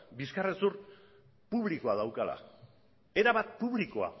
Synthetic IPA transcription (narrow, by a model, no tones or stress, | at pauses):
biskaresuɾ | puβliko̞aðawkala̰ | e̞ɾaβat̪̚puβliko̞a̰